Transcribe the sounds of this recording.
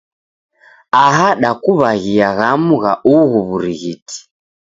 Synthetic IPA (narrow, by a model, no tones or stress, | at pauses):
aɦaɗakuβaɣiaɣamuɣaʔuɣuβuɾiɣitʰi̥